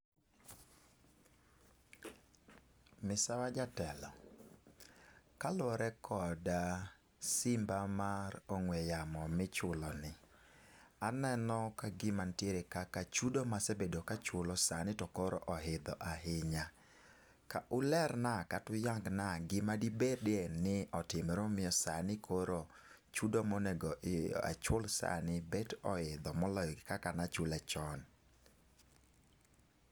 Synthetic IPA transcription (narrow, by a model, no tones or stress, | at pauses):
mɪsawad͡ʒatɛlɔ | kalɔɾɛkʰɔda | sɪmbamaɾoŋwɛjamɔmɪt͡ʃʊlɔnɪ | anɛnɔkaɡɪmantjeɾekakat͡ʃudomasebedokat͡ʃʊlɔsanɪtɔkoɾɔ̰ʔɔɦɪd̪ɔʔaɦɪɲa | kaʔʊlɛɾnakatʊjaŋɡnaɡɪmadibedenɪɔtɪmɾomɪɔsanɪkʰoɾo | t͡ʃudomonɛɡɔʔɪ̰a̰t͡ʃwolsa̰nɪbɛtɔhɪd̪ɔmɔlɔjɡkakanat͡ʃʊlat͡ʃɔn